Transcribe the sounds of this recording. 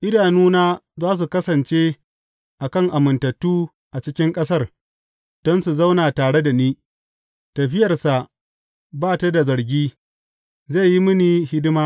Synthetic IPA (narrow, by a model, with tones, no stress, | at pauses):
ʔɪ˦daː˨nuː˦naː˦zaː˦s̬u˨kɐ˦sɐ˨nt͡ʃe˦ | ʔa˨kɐ˦˨ŋʔa˨mɪ˨ntɐ˨tːuː˦ | ʔa˨t͡ʃɪ˦kʲɪ˦ŋkʼɐ˦sɐ˦r | d̥ɔ˦nsu˨za˦wnaː˨taː˨ɽe˦da˨niː˦ | tɐ˨ɸɪ˦jɐ˨rsa˨ʔ | baː˦ta˦da˨zɐ˨ɾɡʲiː˦ | ze˦˨ji˦mʊ˦niː˨hɪ˦dɪ˦maː˦